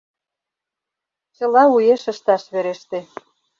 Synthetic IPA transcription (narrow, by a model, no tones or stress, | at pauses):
t͡ɕə̆lɑujeʃə̆ʃt̪ɑʃβeɾeʃt̪ĕ